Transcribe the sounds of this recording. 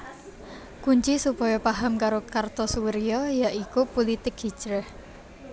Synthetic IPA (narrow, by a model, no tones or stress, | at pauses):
kuɲt͡ʃisupɔjɔpaɦamkaɾokart̪ɔsuwəɾiɔjaʔikupolit̪ɪk̚hi̥t͡ʃɾɛh